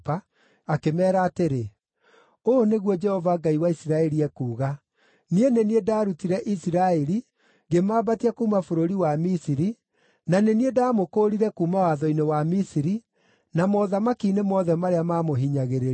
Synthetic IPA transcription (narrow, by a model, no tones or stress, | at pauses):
paː | kemɛːɾaːteɾe | oneɣwɔd͡ʒɛhɔvaɡaiwaisiɾaɛɾiɛkuːɣa | nieneniedaːɾutiɾɛʔisiɾaɛɾi | ɡemaːbatiakuːmafoɾoɾiwamisiɾi | naneniedaːmokoːɾiɾɛkuːmawaðɔinewamisiɾi | namɔðamakiːnemɔðɛmaɾeamamoɦiɲaɣeɾe